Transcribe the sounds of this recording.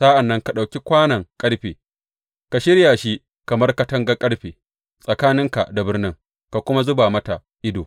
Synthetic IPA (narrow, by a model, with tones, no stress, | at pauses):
sa˦ʔa˨nːɐ˦ŋka˨ɗa˨wkʲi˦kʷaː˦nɐ˨ŋkʼɐ˦ɽɸiː˨ | ka˨ʃɪ˦ɽja˨ʃi˦ | kɐ˨mɐ˦rka˨tɐ˦ŋɡɐ˦kʼɐ˦ɽɸiː˨ | sʼɐ˨kaː˦nɪ˦ŋka̰˨da˨bɪ˦rnɪ˦ŋ | ka˨kʷʊ˦ma˦zʊ˦baː˨mɐ˦ta˨ | ʔɪ˦doː˨